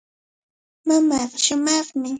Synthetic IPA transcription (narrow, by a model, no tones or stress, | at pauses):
mamɑqʃʊmɑχmɪ